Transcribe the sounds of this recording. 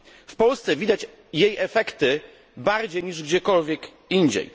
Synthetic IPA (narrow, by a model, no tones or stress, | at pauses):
fpɔlst̪sɛvʲid̪at͡ɕ | jejʔɛfɛkt̪ɘ | baɾd͡ʑejɲiʐɡd͡ʑɛkɔlvʲjɛk | iɲd͡ʑɛ̰j